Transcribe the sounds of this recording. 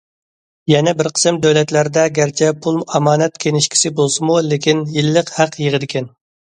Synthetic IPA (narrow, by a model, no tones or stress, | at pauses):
jɛnɛbɪɾqʰə̥sɨmd̪øwlɛt̪læɾd̪ɛɡʲæɾt͡ʃʰɛpʰulˠmɑmɑːnɛt̪̚kʲʰeŋɪʃkʲʰi̥sɪbolˠsɨmulekʲinjilːəqhæqjəʁəd̪ɪkʲɛn